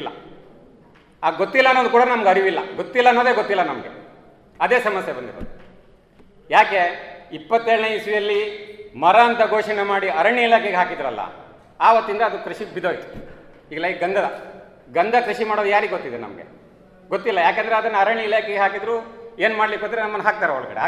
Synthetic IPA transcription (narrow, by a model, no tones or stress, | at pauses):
lːɐ̰ | aːɡot̪ːilːɐɐnːoːd̪ukuːɽɐnɐmɐɡeɐɾiʋilːɐ̰ɡot̪ːilːɐːnːoːd̪eːɡot̪ːilːɐnɐmɐɡḛ | ɐd̪eːsɐmɐsjebɐnd̪iɾo̰ːd̪u | jaːke̞ipːɐt̪ːeːɭɐneisʋijɐlːimɐɾɐːnt̪ɐɡoːʂɐɳemaːɽiɐɾɐɳːiilaːkeɡeaːkid̪ɾuɐlːɐ̰ | aːʋɐt̪ːind̪ɐːd̪ukɾuʃiɡbid̪oːʋi | iːɡɐlːaiɡɐnd̪ʱɐd̪ɐ̰ | ɡɐnd̪ʱɐkɾuʃimaːɽoːd̪ujaːɾiɡot̪ːid̪enɐ̰mɐɡḛ | ɡot̪ːilːɐjaːk̬eːnd̪ɐɾeɐd̪ɐnːɐɐɾɐɳːiilaːkeɡeɦaːkid̪ɾuːeːnmaːɽlikːoːt̪iɾenɐmːɐnːɦaːk̚t̪aːɾeoɭkɐɽḛa